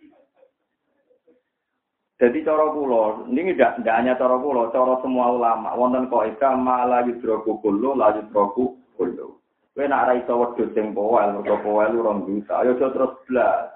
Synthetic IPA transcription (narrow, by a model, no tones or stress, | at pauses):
d̪̥a̤d̪it͡ʃɔɾɔpulɔniŋiɖaʔɳɖaʔɲat͡ʃɔɾɔpulɔt͡ʃɔɾɔsəmuaulama̰ʔwɔnt̪ənkɔʔikamalajud̪̥ɾɔɡ̥ub̥o̤lʊlajut̪ɾɔb̥ub̥o̤lʊ̰ | wena̰ʔɾaisɔwəd̪̥o̤t̪ɪŋpowɛlwərsɔpowɛluɾɔŋd̪usa̰jɔ̥d͡ʒ̥ɔ̤t̪əɾʊsdla